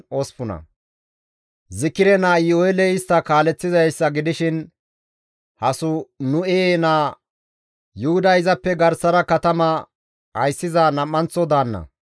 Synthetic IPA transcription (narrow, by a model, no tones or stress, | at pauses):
ɔspʊnɐ̰ | zɪkːɪɾɛnaːɪoɛlɛɪst̪ːɐkaːlɛt͡sːɪzɐjsːɐɡɪd̪ɪʃɪn | hɐsʊnʊenaː | jʊhʊd̪ɐɪzɐpːɛɡɐɾsɐɾɐkɐt̪ɐmɐ | hɐ̰jsːɪzanɐmːɐnt͡sɔd̪aːnːɐ̰